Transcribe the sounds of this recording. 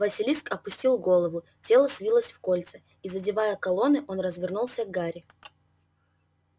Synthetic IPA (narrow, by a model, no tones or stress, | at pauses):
vɐsʲɪlʲiskɐpʊsʲtʲilˠɡo̞lˠəvʊ | tʲe̞lˠəsvʲilˠəsʲfko̞lʲt̪sə | izədʲɪvajəkɐlˠo̞nɨʔo̞nrəzvʲɪrnulˠsʲəɡɡaɾʲɪ